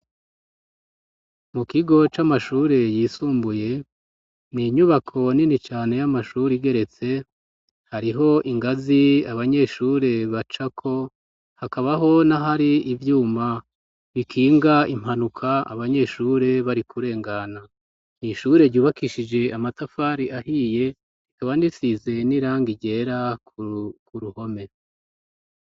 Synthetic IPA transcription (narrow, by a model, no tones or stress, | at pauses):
mukiɡo̞t͡ʃamaʃuːɾe̞jiːsuːmbuje̞ | niɲuβakʰo̞ninit͡ʃaːne̞jamaʃuːɾiɡe̞ɾe̞t͡se̞ | haɾiɦo̞ʔiŋɡaziaβaɲe̞ʃuːɾe̞βat͡ʃakʰo̞ | hakaβaɦo̞naɦaɾiivjuːma | βikʰiːŋɡaim̥hanukʰaa̰βaɲe̞ʃuːɾe̞βaɾikuɾe̞ːŋɡana | niʃuːɾe̞ɾɟuːβakiʃid͡ʒe̞amatafaːɾiahiːje̞ | ikaβanisize̞niɾaːŋɡiɟe̞ːɾakkuɾuho̞me̞